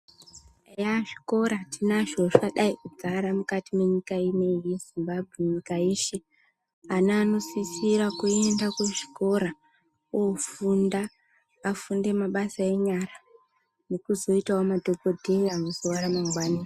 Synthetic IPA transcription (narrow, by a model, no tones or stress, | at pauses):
ejaʐi̥ko̞ɾatʰinaʐoʂaɗaikud͡zaɾamukatime̞ɲikainejezimbabʱweɲikajeːʃe̞ | anaːno̞sisiɾakuendakweʐi̥ko̞ɾa | ofundaː | funde̞maɓasae̞ɲaɾa | ne̞kuzo̞itaomadʱokodʱe̞ianozoʋaɾamaŋɡwaːni